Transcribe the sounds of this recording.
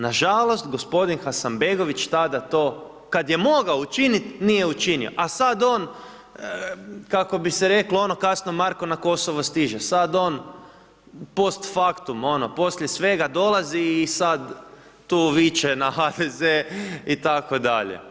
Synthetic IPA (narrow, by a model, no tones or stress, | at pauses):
naʒalˠo̞st̪ɡo̞spo̞d̪inxasambeɡo̞ʋit͡ʃt̪ad̪at̪oː | kad̪jemo̞ɡaout͡ʃinit̪nijeut͡ʃinio̰ʔasad̪o̞ːn | kako̞biseɾe̞kloo̞no̞kasnomaɾko̞nako̞soʋost̪iʒesad̪o̞ːn | po̞st̪fakt̪umo̞nopo̞sʎʲjesʋe̞ɡad̪o̞lˠaziːsad̪ː | uːʋit͡ʃenaxad̪ezeit̪ako̞d̪aʎḛ